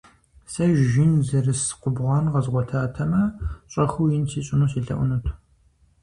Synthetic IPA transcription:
sɐʒʒɪnzɐrɨsqʷʊbʁʷɑːnʁɐzʁʷɔtʰaːtʰɐmɐɕʼɐxuwjɪnsʰiːɕʼɪnuːsiːɬɐ̰ʔʷʊnɨtʰ

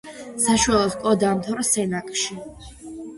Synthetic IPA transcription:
saʃwalˠɔskʼɔd̪aːmt̪ʰɔɾasɛnakʼʃi

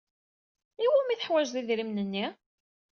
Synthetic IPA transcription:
iwæmiθəħwæʒðiðɾimnənːi

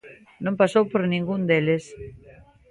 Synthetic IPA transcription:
nõmpasowpoɾnĩŋɡund̪eles

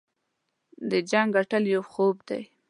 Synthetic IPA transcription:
d̪əd͡ʒaŋɡaʈəljawxobd̪a̰j

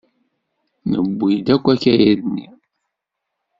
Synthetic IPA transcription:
nə̰bːid̪ækʷːækæjæðənːi

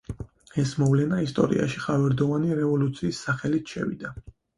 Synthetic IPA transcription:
ɛsmɔvlɛnaist̪ʼɔ̰ɾḭa̰ʃiχavɛɾd̪ɔvaniɾɛvɔlut̪sʰiːsːaχɛlit̪ʰʃɛ̰vḭd̪a

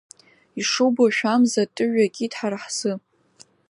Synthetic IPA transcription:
iʂowboʃᶣamzatʼɨʕᶣakʲʼidħarħsɨ

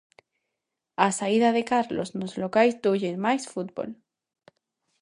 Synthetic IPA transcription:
asaiðaðe̞kaɾlo̞znozlokajzd̪uʝenmajsfut̪̚bo̰l

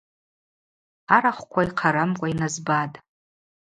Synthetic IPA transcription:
aɾaχʷkʷʰaiqʰaɾamkʷʼainazbatʼ

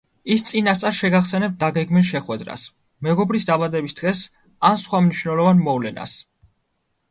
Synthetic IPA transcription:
ist̪sʼinast̪sʼaɾʃɛɡaχsɛnɛp̚t̪̚d̪aɡɛɡmilˠʃɛχwɛd̪ɾa̰s | mɛɡɔbɾisd̪abad̪ɛbisd̪̥ʁɛs | ansχwamniʃwnɛlˠɔvanmɔvlɛna̰s

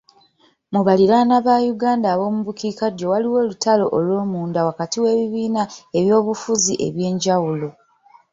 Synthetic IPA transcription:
muβaliɾanaβajuɡaːndaːβo̞ːmuβukiːkaɟo̞waliwo̞ːlutalo̞ʔolwo̞ːmuːndawakatiwe̞ːβiβiːnae̞βjo̞ːβufuziʔe̞̰βje̞ːɲɟawulo̞

